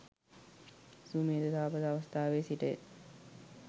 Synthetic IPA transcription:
suːmeːd̪ət̪aːpət̪aʋɐst̪ʰaːʋeːsiʈə̰

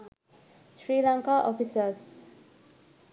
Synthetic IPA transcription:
ʃɹilãŋkaʔɔfisəs

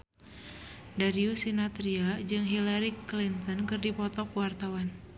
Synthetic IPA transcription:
daɾiusinat̪ɾiad͡ʒɨŋɦilaɾiklint̪ɔnkɨrdipɔt̪ɔkuwart̪awan

